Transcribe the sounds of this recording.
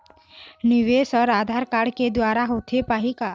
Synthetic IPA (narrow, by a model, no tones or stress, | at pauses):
niʋesɔɾad̪ʱaɾkaɽked̪ʋaɾaɦot̪ʰepaɦika